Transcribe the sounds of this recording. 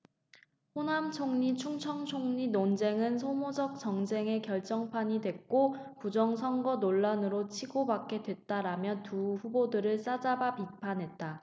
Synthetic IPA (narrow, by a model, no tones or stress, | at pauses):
ɸonamt͡ɕʰoŋɲit͡ɕʰuŋt͡ɕʰʌŋt͡ɕʰoŋɲinond͡ʑe̞ŋɯnsʰomod͡ʑʌk̚t͡ɕʌŋd͡ʑe̞ŋe̞kjʌɭt͡ɕ͈ʌŋpʰaɲidwe̞k̚k͈opud͡ʑʌŋsʰʌŋɡʌnoɭːanɯɾot͡ɕʰiɡobak͈e̞dwe̞t̚t͈aɾamjʌntuɸubodɯɾɯɭs͈ad͡ʑabapipʰanɦe̞t̚t͈a